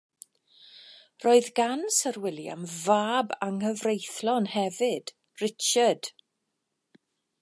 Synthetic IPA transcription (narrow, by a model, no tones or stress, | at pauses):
rʔoːɨðɡansərwɪlˠja̰mvaːbaŋhəvrejθlɔnhɛvɨd̥ | rɪt͡ʃəd̥